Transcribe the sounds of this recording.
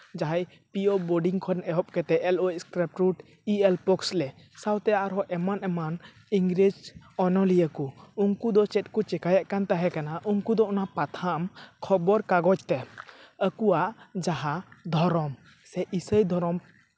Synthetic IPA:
d͡ʒaɦaj | piɔbɔɖiŋkʰɔnɛɦɔp̚kɛt̪ɛʔɛlɔcskɾɛp̚ʈɾuʈ | iɛlpɔkslɛ | sawt̪ɛjaʔɾɔʔɛmanɛman | iŋɡɾid͡ʒɔnɔlijəkuuŋkud̪ɔt͡ʃɛt̚kut͡ʃɛkajaʔkant̪aɦɛkanaʔuŋkud̪ɔʔɔnapat̪ʰamkʰɔbɔɾkaɡɔt͡ʃt̪ɛəkuwaʔd͡ʒaɦad̪ʱɔɾɔm | sɛʔisəjd̪ʱɔɾɔm

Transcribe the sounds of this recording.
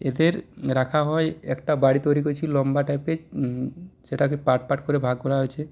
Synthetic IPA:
ed̪eɾɾakʰaɦɔeɛkʈabaɽit̪oɾikot͡ʃʰilɔmbaʈajpe | d͡ʒeʈakepaʈ̚paʈkoɾebʱaɡkɔɾaɦojt͡ʃʰe

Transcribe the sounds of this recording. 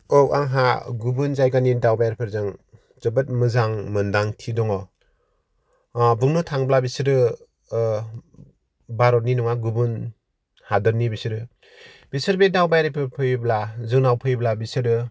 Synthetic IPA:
ɔka̰ŋɦaɡubɯnzajɡanidawbajɾpʰɯɾzɯŋ | zɯbɯt̚mɯzaŋmɯndaŋtʰidɔŋɔ | bɯŋnɯtʰaŋblabisɯɾɯ | baɾɔt̚ninɔŋaɡubɯn | hadɯɾnibisɯɾɯ | b̥isɯɾbedawbajɾipʰɯɾpʰɯjblazɯŋnawpʰɯjblabisɯɾɯ

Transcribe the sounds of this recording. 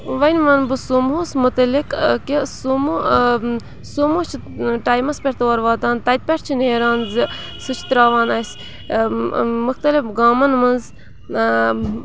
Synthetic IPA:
ʋɐjnʋɐnbɨsumɦusmut̪ɐlikkisumu | sumut͡ʃʰi | ʈaːjmɐspʲeɾt̪oːɐɾʋaːt̪aːnt̪ɐjt̪̚pʲeɾt͡ʃʰineːɾaːnzi | sɨt͡ʃʰt̪ɾaːʋaːnɐjs | muxt̪ɐlifɡaːmɐnmɐnz

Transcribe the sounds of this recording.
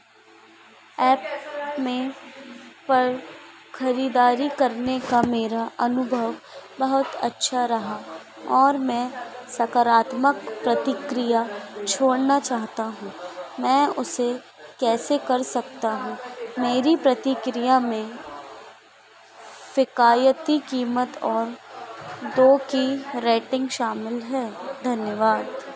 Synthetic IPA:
ɛːpmẽ | pɐɾ | xɐɾiːd̪aːɾikɐɾnekameːɾaʔɐnʊbʱəʋbɐɦʊt̪ɐ̰tːʃʰaɾɐɦa | ɔːɾmɛ̃ːsɐkaɾaːt̪məkpɾɐt̪ɪkɾijat͡ʃʰoːɽnat͡ʃaːɦt̪aɦũːmɛ̃ːʊse | kɛːsekɐɾsɐk̚t̪aɦũːmeːɾipɾɐt̪ɪkɾɪjamẽ | fɪkaːjət̪ikiːmət̪ɔːɾ | d̪oːkiɾeːʈɪ̃ŋɡʃaːmɪlɦɛːd̪ʱɐnjəʋaːd̪

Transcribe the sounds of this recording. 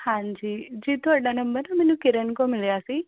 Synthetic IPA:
hãnd͡ʒid͡ʒit̪ʰoəɖanəmbəɾnamɛnũkɪɾəɳkomɪljasi

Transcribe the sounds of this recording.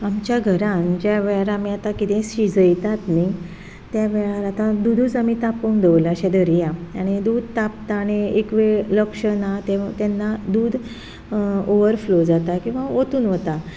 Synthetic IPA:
amt͡ɕjaɡʱəɾãnd͡ʑjaʋɛɭaɾamiat̪akit̪ʰɛ̃ɕid͡zəjt̪at̪ni | t̪jaʋɛɭaɾat̪ãd̪ud̪uːd͡zamit̪apənd̪eʋlaɕɛ̃d̪əɾijãaɽ̃id̪uːd̪̚ʱt̪ap̚t̪aːɽ̃iekʋeləkʂənat̪et̪ɛnːad̪uːd̪ʱ | oʋəɾflod͡zat̪akĩw̃ʋaot̪uːnʋət̪a

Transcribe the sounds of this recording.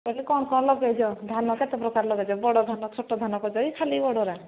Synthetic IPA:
pɔlekɔɽ̃kɔɽ̃lɔɡed͡ʒɔd̪ʱanɔket̪epɾɔkaɾlɔɡed͡ʒɔbɔɽɔd̪ʱanɔt͡ʃʰoʈɔd̪ʱanɔkɔd͡ʒɔikʰalibɔɽɔɾa

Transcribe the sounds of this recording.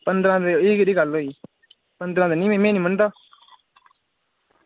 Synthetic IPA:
pənd̪ɾãːt̪eeːkɾiːkaloːiː | pənd̪ɾãːd̪enĩːmẽːmẽːnĩːmənt̪aː

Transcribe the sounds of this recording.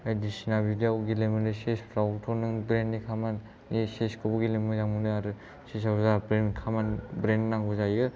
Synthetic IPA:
ajdisinabidiawɡilemɯnɯsespʰɾawtʰɔnɯŋbɾenːikʰamanː | iseskʰɯbɯɡilemɯzamunɯaɾɯ | sesawzabɾenkʰamanbɾenːaŋbuzajɯ

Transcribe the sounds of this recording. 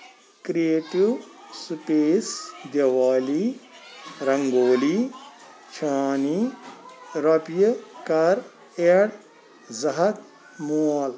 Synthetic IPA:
kɾieːʈiwsupeːsd̪jɐʋaːli | ɾɐŋɡoːli | t͡ʃʰaːni | ɾɐpjɐkɐɾ | eɽ | zɐɦɐt̪ | mual

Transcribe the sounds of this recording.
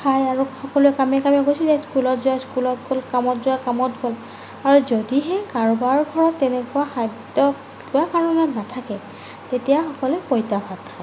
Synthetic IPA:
kʰajaɹuxɔkɔluɛkamɛkamɛkojsizɛskulɔtzʊaskulɔt̚ɡolkamɔtzʊakamɔtɡol | aɹuzodiɦɛkaɹbaɹɡʱɔɹɔtːɛnɛkʊwaxadɔ | uakaɹɔnɔtnatʰakɛ | tetijaxɔkɔlɛpojtabʱatkʰa

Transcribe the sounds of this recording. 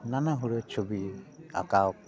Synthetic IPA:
nanaɦuɾɯt͡ʃʰubia̰kawɔk̚

